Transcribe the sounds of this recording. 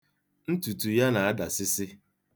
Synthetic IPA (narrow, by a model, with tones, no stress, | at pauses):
n̩˦tu˨tu˨ja˦na˨a˦da˨sɪ˦sɪ˦